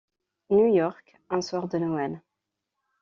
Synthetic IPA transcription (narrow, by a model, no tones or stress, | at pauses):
njujɔʁk | ɛ̃swaʁd̪ənɔɛl